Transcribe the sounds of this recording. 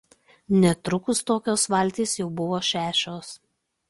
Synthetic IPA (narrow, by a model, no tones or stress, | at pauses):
nʲɛt̪ɾʊkʊst̪oːkʲoːsʋɐˑlʲˑt̪ʲiːsjɛʊbʊʋoːʃʲæːʃʲoːs